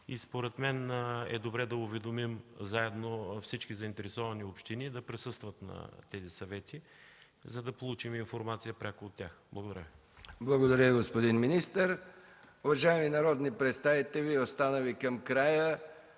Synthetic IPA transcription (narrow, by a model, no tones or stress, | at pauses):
ispoɾɛt̪mɛnɛ̰d̪obɾɛd̪ɐʊvɛd̪omimzaɛd̪nofsit͡ʃkizɐint̪ɛɾɛsɔvɐniopʃt̪inid̪ɐpɾɛsɤst̪vɐt̪nɐ̰t̪ɛzisɐvɛt̪ʰi | zɐd̪ɐpolˠut͡ʃiminfoɾmat̪sijəpɾʲakʊot̪ʲːaxblˠɡoʊd̪ɐ̰ɾjə | blˠɐɡod̪ɐɾʲəiɡospod̪inminist̪əɾ | ʊvɐʒaɛminɐɾɔd̪nipɾɛt̪st̪avit̪ɛviost̪anəvikɐmkɾajə